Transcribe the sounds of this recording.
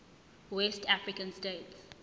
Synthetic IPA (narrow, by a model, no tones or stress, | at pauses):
wɛstafɹikə̃nsteːts